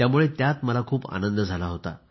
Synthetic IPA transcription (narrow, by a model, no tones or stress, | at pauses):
t̪jamuɭet̪jat̪məlakʰuːpa̰nənd̪əd͡zʱalaɦot̪a̰